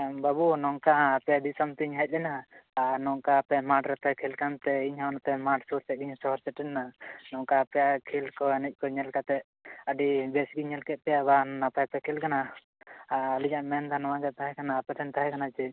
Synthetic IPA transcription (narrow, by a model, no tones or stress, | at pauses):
babunɔŋkãːpɛd̪isəmt̪iɲɦac̚ˀlɛnaːnɔŋkaːpɛmaʈɾɛt̪ɛkʰilkant̪ɛiɲɦawnat̪ɛmaʈsuɾt̪ɛɡiɲsɔɦɔɾsɛʈɛnːanɔŋkaːpɛjakʰilkɔɛnɛc̚ˀkɔɲɛlkat̪ɛʔ | əɖibɛsɡiɲːɛlkɛt̪̚pɛjabannapajpɛkʰilkana | aliɲaʔmɛnd̪anɔwãɡɛt̪aɦɛkanaːpɛt̪ʰɛnt̪aɦɛkʰanat͡ʃɛ